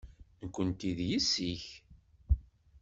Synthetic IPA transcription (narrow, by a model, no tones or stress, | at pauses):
nəkʷːənt̪iðjisːiç